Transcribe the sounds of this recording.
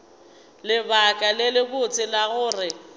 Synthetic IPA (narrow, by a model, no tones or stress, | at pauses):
lɪbakʼalɪlɪbʊt͡sʼɪlaɣʊːrɪ